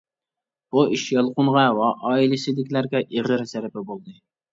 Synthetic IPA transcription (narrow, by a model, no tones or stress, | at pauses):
b̥uiʃjɑlˠqʊnʁɑwɑʔɑːilɪsɪd̪ɪkʲlæɾɡʲɛʔeʁəɾzæɾɪpɛbolˠd̪ɨ